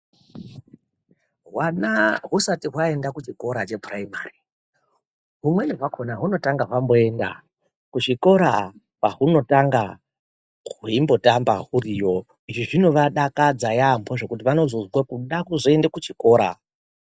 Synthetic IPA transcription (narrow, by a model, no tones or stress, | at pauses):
ɦwanaɦusatiɦwae̞ndakut͡ʃiko̞ɾat͡ʃe̞praimaːri | ɦumwe̞neɦwakʰonaɦuno̞taŋɡaɦwambo̞enda̰ | kut͡ʃiko̞ɾa | paɦuno̞taŋɡa | ɦuimbo̞tamba̰ɦurijo̞ | iʐiʐino̞ʋaɗakad͡zajambo̞ʐe̞kutiʋano̞zozwakuɗakuzoe̞ndekut͡ʃiko̞ːɾa